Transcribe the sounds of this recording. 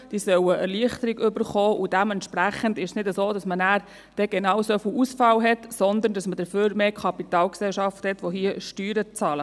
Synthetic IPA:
d̥iːsœwəʔəɾliəχt̪əɾiɡʏbəɾχɔːʔʊd̥æmɛnt̪ʃpɾæχəndɪʃsnɪdəsoːdɑsmənæːɾ | d̥ɛɡ̥ɛnɑːʊsofilʔusfɑlɦɛtsɔnd̪əndɑsməd̥əføːɾmeːkʰɑpit̪ɑːlksɛlʃɑfthɛt̪ʋoɦiəʃtyːɾət͡sɑːlə

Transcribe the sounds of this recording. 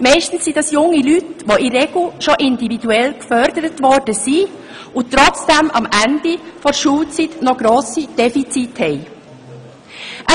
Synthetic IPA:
mɛɪʃtn̩sːid̥ɑsjʊŋːilytʋoʔirɛɡ̥l̩ʃoʔɪndividuɛlkfœɾdəɾətvɔɾd̥əsi | ʊt̪ːɾɔt͡sd̥ɛmɑ̰mænd̥ifɔɾʃuːlt͡sitnɔɡɾoːsid̥ɛfit͡sithɛɪ | ʔə

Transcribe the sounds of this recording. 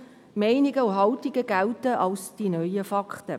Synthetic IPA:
mɛɪnɪɡəuɦɑltiɡəɡ̥æltəʔɑlsd̥inœʏəfɑkχtə

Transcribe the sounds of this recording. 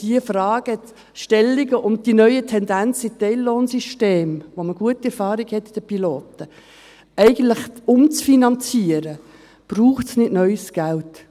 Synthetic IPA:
d̥iəfrɑːɡ̥ə | ʃtɛlːiɡəʔʊmd̥inœʏətʰɛndænt͡sitɛɪlːoːnsyʃteːmʋoməɡ̥uətːiɛɾfɑːɾiɡhɛtːd̥əpiloːtə | ɛɪɡən̩tləχʊmt͡sfinɑnt͡siəɾə | b̥ruːχtsnɪtnœʏsɡ̥ælt

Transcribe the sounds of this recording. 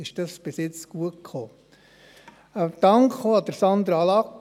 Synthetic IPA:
ɪʃd̥ɑsb̥ɪsjɪt͡sɡ̥uətkχoː | d̥̪ɑŋkχoːɑd̪̥əɾsɑnd̪ɾɑlɑk

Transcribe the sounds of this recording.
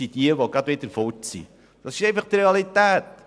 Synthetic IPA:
id̥iəʋoɡɑdʋɪd̪əɾfɔtsḭ | d̥ɑsɪʃɛɪfɑχt̪ɾeɑlit̪æːt

